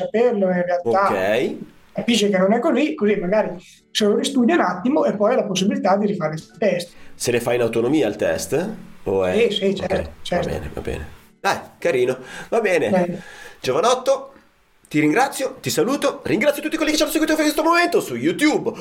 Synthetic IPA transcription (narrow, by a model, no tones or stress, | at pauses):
saperloirrealtoakɛj | kapiʃ̬ekenonɛkːozikozimaɡaːɾi | soːlolist̪uːd̪jounat̪ːimoepːɔjalaposːibilit̪ad̪iɾifaɾet̪ɛst̪selefajinawt̪onomiːalt̪ɛ̰st̪oɛsisit͡ʃɛɾt̪ot͡ʃɛrtbɛ̰ːnḛva̰bɛ̰ːnḛ | d̪ajkaɾiːnovabɛːne | d͡ʒovanɔt̪ːo | t̪iɾiŋɡɾat̪sːjot̪isaluːt̪oɾiŋɡɾat̪sjot̪ut̪ːikwelːike̥t͡ʃːanːoseɡwit̪ofakwest̪omoment̪osujut̪jub